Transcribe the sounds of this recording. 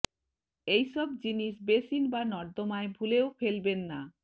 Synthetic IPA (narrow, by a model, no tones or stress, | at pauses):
ejʃɔbd͡ʑiniʃbesinbanɔɾd̪omaebʱuleofelbenːa